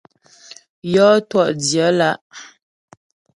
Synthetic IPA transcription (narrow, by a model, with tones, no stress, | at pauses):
jɔ˦twɔ˦ʔdjə˨˦la˦ʔ